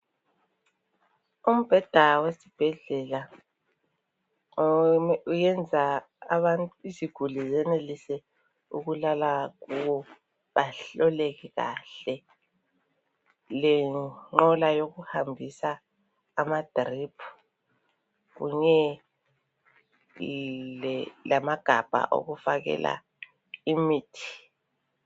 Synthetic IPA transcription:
um̩b̥ʱɛd̥ʱawesib̥ʱɛɮɛla | ujɛnd͡zʱaː | βantʼuiziɡ̥ʱulizɛnelisɛ | uɣulalaɣuwɔ | βaɬɔleɣiɣa̰ɬɛ | lɛŋ͡ǃɔlajoɣuhambʱisaː | mad̥ʱripʰu̥ | ɣṵɲɛ | lɛlamaɡ̥ʱab̥ʱa̰ʔo̰ɣufaɣɛ̰la̰ | imiːtʰi̥

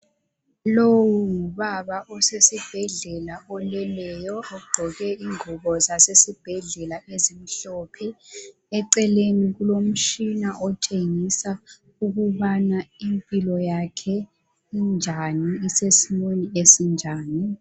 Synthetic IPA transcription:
lowuuβaβaʔɔsesib̥ʱɛɮɛlaɔlɛlɛjɔouɡ͡ǃʱɔɣɛiŋuβɔzasesib̥ʱɛɮɛlaʔezim̩ɬɔpʰɛ | ɛǀɛleniɣulom̩t͡ʃinaʔɔtʰeŋisa | uɣuβanaimpʼilɔjakʰɛ | ind͡ʒʱaniːsesimeniesind͡ʒʱaːni

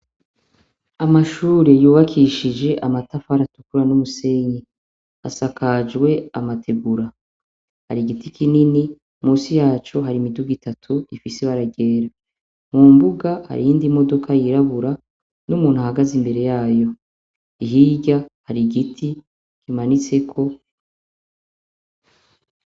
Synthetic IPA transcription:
amaʃuːɾe̞juːβakʰiʃid͡ʒe̞ʔamatafaɾatu̥kuɾanumuseɲɡe | a̰sakʰad͡ʒɡwe̞a̰matʰe̞ɡuɾa | ha̰ɾiɡitʰikʰinini | muːsijaːt͡ʃoɦaɾimiduɡitatʰuifiseβaɾaɟe̞ːɾa | mumbuɡaha̰ɾijiːndimo̞do̞kʰajiɾaβuɾa | numuːn̥huhaɡazimbe̞ɾe̞jaːjo̞ | iɦiɟahaɾiɡitʰi | kimanit͡se̞kʰo̞

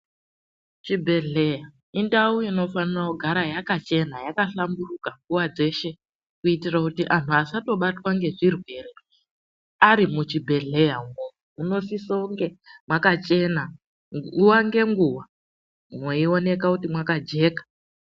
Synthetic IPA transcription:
t͡ʃibʱe̞ɮe̞ja | indauino̞fanirakuɡʱaɾajakat͡ʃe̞najakaɬamburukaŋɡuwad͡ze̞ʃe̞ | kuitirakutiʔantʰuasato̞ɓatwaŋɡe̞ʐirwe̞ːre | aɾimut͡ʃibʱe̞ɮe̞jamo | uno̞sisoŋɡemwakat͡ʃe̞na | uwaŋɡe̞ŋɡuwa | mwoio̞ne̞kakutimwakad͡ʒe̞ːkḁ

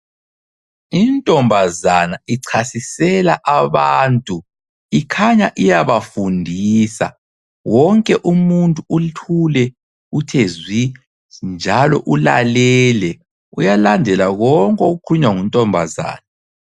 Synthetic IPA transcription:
intʼɔmbʱazanaiǀʰasisɛlaʔaβaːntʼu | ikʰaɲaʔijaβafundʱiːsa̰ | wɔŋkʼɛʔumuntʼuuɬʰulɛ | utʰezwi | nd͡ʒʱalɔ̰ʔula̰lɛlɛ | ujalandʱɛlaɣɔŋkʼɛukʰuɲwaŋuntʼɔmbʱaza̰ːna

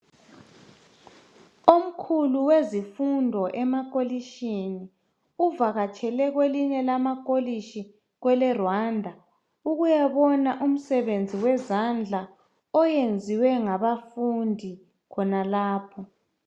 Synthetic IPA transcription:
om̩kʰuluwezifundʱɔʔɛmakʼoliʃini | uvaɣat͡ʃʰʼɛlɛɣweliɲɛlamakʼoliʃi | ɣwɛlɛrwandʱa | uɣujaβɔnaʔum̩sɛβend͡zʱiwɛzand͡ɮʱa | ɔjend͡zʱiwɛŋaβafundʱi | kʰɔnalaːpʰɔ

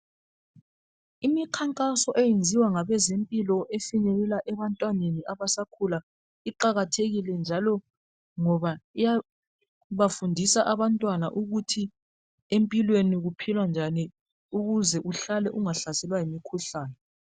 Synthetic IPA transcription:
imikʰaŋkʼasɔʔejend͡zʱiwaŋaβɛzempʼilɔʔefiɲɛɣɛlaʔɛβantʼwaneniaβasakʰula | iǃaɣatʰeɣilɛnd͡ʒʱalɔ | ŋɔβaija | βafundʱisaʔaβantʼwanaʔuɣutʰi | empʼilweniɣupʰilwand͡ʒʱani | uɣuzɛʔuɬalɛʔuŋaɬasɛlwaɦimikʰuɬaːnɛ

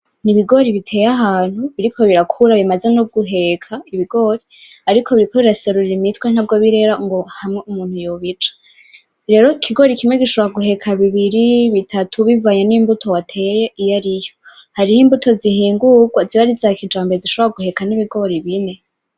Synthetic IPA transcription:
niβiɡo̞ɾiβitʰe̞jaɦaːn̥huβiɾikʰo̞βiɾakʰuɾaβimaze̞nub̚ɡuɦe̞kʰaiβiɡo̞ɾiːɾikʰo̞βiɾikʰoβiɾaseɾuɾiɾimitwen̥ab̚ɡoβiɾe̞ɾaŋɡo̞hamŋeumuːn̥hujoβit͡ʃḁ | ɾe̞ɾo̞ikʰiɡo̞ɾikimŋeɡiʃoβoɾaɡuɦe̞kʰaβiβiɾiβitʰatʰuβivaːɲenimbutʰo̞watʰejeʔijaɾijohaɾihiːmbutʰo̞ziɦiːŋɡuɡwaziβaɾizakid͡ʒaːmboziʃoβoɾaɡuhe̞kaniβiɡo̞ɾiβine̞

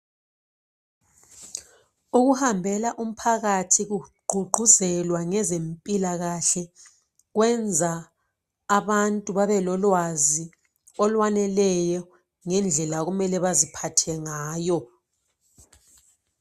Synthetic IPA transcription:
uɣuhambʱɛlaʔum̩pʰaɣatʰiɣuɡ͡ǃʱuɡ͡ǃʱuzɛlwaŋɛzempʼilaɣaɬɛ | ɣwɛnd͡zʱaː | βantʼuβaβɛlɔlwazi | ɔlwanɛlɛjɔ | ŋɛnd͡ɮʱɛlaɣumɛlɛβazipʰatʰɛŋaːjɔ

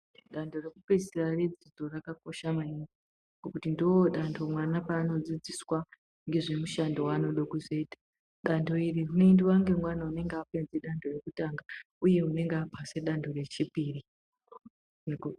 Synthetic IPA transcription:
ɗando̞rekupesirared͡zid͡zo̞rakako̞ʃamaiɡi | ŋɡokutindowoɗandʰo̞mwanapaːno̞d͡zid͡ziswa | ŋɡe̞ʐemuʃandowano̞ɗokuzo̞iːtḁ | ɗando̞iriɦune̞ndiwaŋɡe̞mwanaune̞ŋɡeape̞nd͡zeɗandʱo̞re̞kutaŋɡa | uje̞une̞ŋɡeapʰase̞ɗandʱo̞re̞t͡ʃipiːri | n

